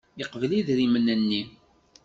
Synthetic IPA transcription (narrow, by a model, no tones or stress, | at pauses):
iqvliðɾimənːənːi